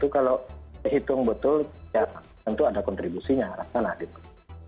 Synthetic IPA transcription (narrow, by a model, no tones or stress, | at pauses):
t̪ukaloɦit̪ʊŋbət̪ʊlja | ant̪uadakɔnt̪ɾibusiɲaɾasanahɡit̪u̥